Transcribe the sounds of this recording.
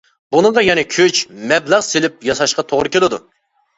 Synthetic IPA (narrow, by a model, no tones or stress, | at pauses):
bunɨʁɑjɛnɛkʲʰøt͡ʃmɛblæʁselɪp̚jɑsɑʃqɑt̪ʰoʁɾɨkʲʰelɪd̪ṵ